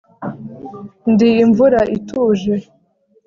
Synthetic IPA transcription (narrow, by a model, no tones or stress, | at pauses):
ndiːɱvuɾaʔituːʒe